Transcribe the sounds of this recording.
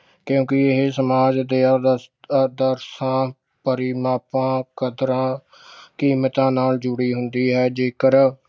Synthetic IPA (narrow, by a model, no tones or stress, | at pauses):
kjõːkɪɪɦeːsəmaːd͡ʒd̪eː | d̪əɾsãː | pəɾiːmaːpãːkəd̪ɾãː | kiːmət̪ãːnaːld͡ʒʊɽiːɦʊnd̪iːɦɛːd͡ʒeːkəɾ